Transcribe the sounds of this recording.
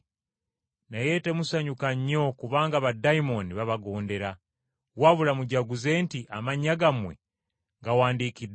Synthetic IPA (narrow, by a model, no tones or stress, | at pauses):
naje̞te̞musaɲukaɲːo̞kuβaːŋɡaβadaimo̞niβaβaɡo̞ːnde̞ɾa | waβulamuɟaɡuze̞ːntiʔamaɲːaɡamwḛ | ŋɡawaːndiːkid